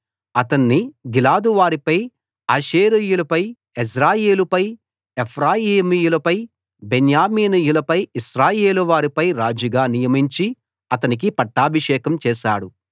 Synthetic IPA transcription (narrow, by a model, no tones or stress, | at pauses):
ɐt̪ɐnːiɡilaːd̪uʋaːɾipɐj | aːʃeːɾijulɐpɐj | es̬ɾaːjeːlupɐj | epʰɾaːjiːmiːjulɐpɐj | benjaːmiːnijulɐpɐjiʃɾaːjeːluʋaːɾipɐjɾaːd͡ʒuɡaːnijɐmiɲt͡ʃi | ɐt̪ɐnik̬ipɐʈːaːbʱiʂɛːkɐmt͡ʃɛːʃa̰ːɽu